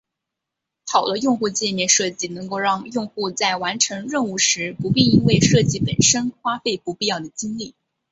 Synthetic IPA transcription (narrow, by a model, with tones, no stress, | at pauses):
t̪ʰɑ˨˩ʊlə˦jʊ˥˧ŋxu˥˧t͡ɕjɛ˥˧mjɛ˥˧nʂɤ˥˧t͡ɕi˥˩nɤ˧˥ŋko˥˧ʊɻɑ˥˧ŋjʊ˥˧ŋxu˥˧t͡sa˥˩ɪwa˧˥nʈ͡ʂʰɤ˧˥ŋɻə˥˧nu˥˩ʂɻ̩˧˥pu˧˥pi˥˩i˥nwe˥˧ɪʂɤ˥˧t͡ɕi˥˩pə˨˩nʂə˥nxwa˥fe˥˩ɪpu˧˥pi˥˧jɑ˥˩ʊd̪ə˩t͡ɕi˥ŋli˥˩